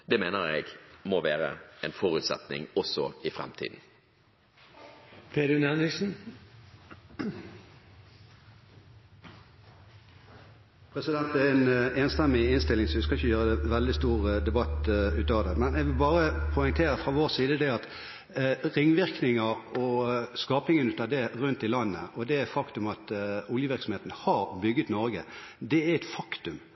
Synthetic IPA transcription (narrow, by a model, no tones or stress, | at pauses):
d̪̥ɛmeːnəʁɛ̰ɡmɔʋæːɾə̰ɛnfɔɾʉt̪sɛ̰t̪nɪ̰ŋɔsɔɪfɾɛ̰mt̪ʰḭːd̪n̩ | pʰeːd̪ʉnɛnɾɪɡsn̩ | pʰɾɛsɪd̪ɛnt̪̚d̪ɛɛɛneːnst̪ɛmːɪɪnst̪ɪlɪŋsɔʋɪskɑɪçəjøːʁəd̪ɛʋɛld̪ɪst̪uːʁd̪ɛbɑt̪ːʉːt̪ɑːʋd̪ɛmɛnɛɡʋɪlbɑːʁəpʰɔɪŋt̪ʰeːɾəfɾɑʋoːʁsiːd̪əd̪ɛɑt̪ | ʁɪŋːʋɪʁknɪŋɑɔskɑːpɪŋənʉːt̪ɑʋd̪ɛʁʉnt̪ɪlɑnːə̰ʔɔd̪ɛætfɑkt̪ʉmɑt̪ʊljəʋɪʁksɔmheːt̪n̩hɑʁbʏɡːət̪nɔʁɡəd̪ɛæɛt̪fɑkt̪ʉm